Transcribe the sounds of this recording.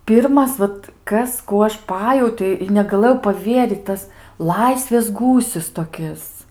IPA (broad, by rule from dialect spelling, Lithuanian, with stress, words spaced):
ˈpʲɪrmɐs ˈʋɐt ˈkɐs ˈkuː ɐʃ ˈpɑːjɛʊtʲoː ɪ nʲɛɡɐˈlˠɘjɛʊ pɐˈʋʲiɛrʲiːt ˈtɐs ˈlˠɐɪsʲʋʲeːs ˈɡuːsʲɪs toːˈkʲɪs